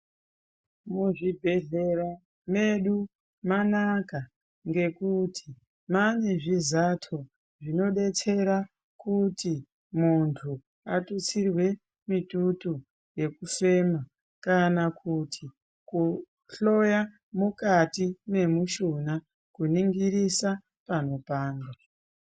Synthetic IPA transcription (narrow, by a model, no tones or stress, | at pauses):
muʐibʱe̞ɮe̞ɾa | me̞ɗu | manaka | ŋɡe̞kutʰi̥ | mane̞ʐizatʰo̞ | ʐino̞ɗe̞t͡se̞ɾa | kuti | muntʰu | atut͡sirwe̞ | mitutu | je̞kufe̞ːma | kanakʰutʰi | ku | ɬo̞ja | mukatime̞muʃona | kuniŋɡiɾisa | pano̞paːnda